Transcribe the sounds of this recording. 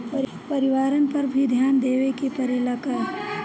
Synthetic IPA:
pɐɾɪʋaːɾənpɐɾbʱid̪ʱjaːnd̪eːʋekipɐɾilɐkəɾ

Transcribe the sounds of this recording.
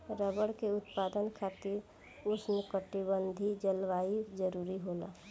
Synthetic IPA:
ɾəbəɽkeʊt̪paːd̪ənkʰaːt̪iɾ | ʊsmẽkəʈibənd̪ʱid͡ʒəlʋaːid͡ʒəɾuːɾiɦoːla̰ː

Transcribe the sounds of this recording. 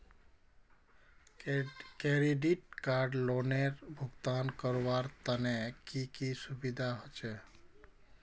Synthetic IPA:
keɾiɖiʈkaɾɖloneɾbʱuɡt̪ankəɾwaɾt̪ənekikisubid̪ʱaɦot͡ʃɛ

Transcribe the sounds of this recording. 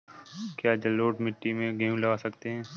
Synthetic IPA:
kjaːd͡ʒɐloːʈmɪʈːimẽɡʱẽːũlɐʋaːsɐkt̪eɦɛ̃ː

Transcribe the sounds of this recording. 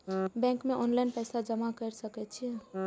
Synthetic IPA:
bɛ̃ŋkmeʔɔnlajnpəjsad͡ʒəmakəɾsəkɛt̪t͡ʃʰiɛ

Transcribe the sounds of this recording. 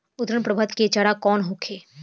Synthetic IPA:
ʊd̪ɾənpɾəbʱət̪ket͡ʃaɽakɔːnɦokʰeː

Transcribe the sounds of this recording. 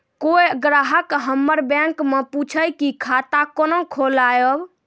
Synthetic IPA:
koeɡɾaɦəkɦəmːəɾbɛ̃ŋkmeput͡ʃʰəjkikʰat̪akonokʰolajəb

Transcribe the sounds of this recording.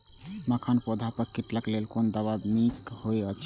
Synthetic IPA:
makʰanpod̪ʱapəɾkiʈləklelkond̪əβabmikhojət͡ʃʰ

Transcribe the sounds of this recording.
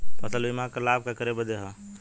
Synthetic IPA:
pət̪əluimãkəlab̚kakəɾebəd̪eɦə

